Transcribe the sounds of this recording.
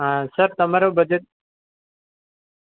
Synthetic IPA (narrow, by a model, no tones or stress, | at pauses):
ɦãːsəɾt̪əmaːɾoːbəd͡ʒət̪̚